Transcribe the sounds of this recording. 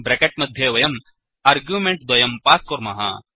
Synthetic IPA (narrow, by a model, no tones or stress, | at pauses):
bɾekeʈ̚mɐd̪ʱjeʋɐjɐm | ɐːɾɡjumẽɳʈd̪ɐjɐmpaːskoɾmɐ̰ɦa̰